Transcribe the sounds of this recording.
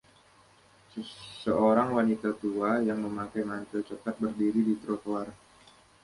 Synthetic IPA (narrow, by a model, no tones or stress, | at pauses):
səsəoɾaŋwanit̪at̪uajaŋməmakajmant̪əlt͡ʃəkat̪̚bərdiɾidit̪ɾot̪oar